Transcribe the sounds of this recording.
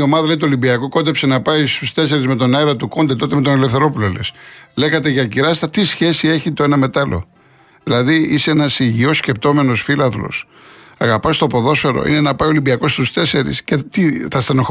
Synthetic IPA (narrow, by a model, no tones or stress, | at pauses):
o̞mɐðɐleit̪uolimbiɐkoko̞nd̪epsenɐpɐist̪ust̪e̞se̞ɾizme̞t̪o̞nɐiɾɐt̪uko̞nd̪et̪o̞t̪eme̞t̪o̞nelefθe̞ɾo̞pulolesle̞xɐt̪e̞ʝɐciɾɐst̪ɐt̪isçe̞sie̞çit̪o̞e̞nɐme̞t̪ɐlo̞̰ | ðilɐðiiseenɐsiʝio̞sce̞p̚t̪o̞me̞no̞sfilɐðlo̞̰s | ɐɣɐpɐst̪o̞po̞ðo̞sfe̞ɾo̰ʔḭne̞nɐpɐjiolimbiɐko̞st̪ust̪e̞se̞ɾḭscet̪iθɐst̪enox